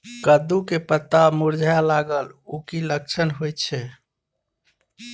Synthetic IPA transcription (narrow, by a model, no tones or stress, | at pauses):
kəd̪ukepət̪ːamuɾd͡ʒʱjalaɡəlukilək̚t͡ʃʰənɦojt̪t͡ʃʰɛ